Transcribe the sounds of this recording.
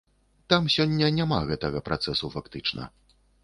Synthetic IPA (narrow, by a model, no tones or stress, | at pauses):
t̪amsʲɔnʲːɐnʲama̰ɣɛt̪ɐɣɐpɾʔat̪sɛsufakt̪ɨt͡ʂnɐ̰